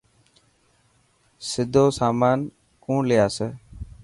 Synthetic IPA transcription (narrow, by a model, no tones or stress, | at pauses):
sɪd̪ʱoːsaːmaːn | kũːlɪjaːseː